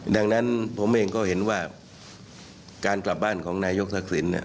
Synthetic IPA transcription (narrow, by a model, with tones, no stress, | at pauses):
da˧ŋna˦˥npʰo˩˦mʔeː˧ŋkɔː˥˩he˩˦nwaː˥˩ | kaː˧nkla˨˩p̚baː˥˩nkʰɔː˩˦ŋnaː˧jo˦˥k̪̚ʰa˧˩k̚si˩˦nḭ˧˩